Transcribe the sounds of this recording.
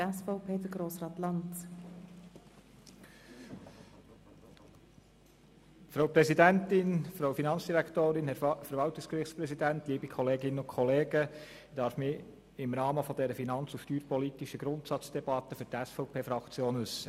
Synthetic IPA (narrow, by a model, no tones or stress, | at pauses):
ɛsfɔʊpʰeːd̥əɡɾoːsɾɑːt̪lɑnt | fɾoʊpɾɛsidænt̪ɪnfɾowfinɑnt͡sd̥iɾæktoːɾɪnhɛfəɾʋɑwtɪkskrɪχtspɾɛsidæntliːbikʰɔleːɡɪnəʊnkʰɔleːɡ̥ə | d̥ɑːɾfmɪ | ɪmɾɑːməfɔd̪ɛɾəfinɑnt͡sufʃtyːɾpɔlit̪iʃəɡ̥ɾʊntsɑt͡sd̥ɛbɑt̪ːəfʏɾtæsfɔʊpʰeːfɾɑkt͡sjoːnʋɵsːə